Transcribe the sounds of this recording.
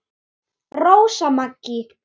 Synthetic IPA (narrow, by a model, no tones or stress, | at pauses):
rowsamakːi